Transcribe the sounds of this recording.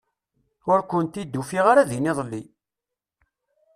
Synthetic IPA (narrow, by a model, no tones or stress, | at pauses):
ʊɾkʊnt̪id̪ːufiʁaɾaðiniðˤlːi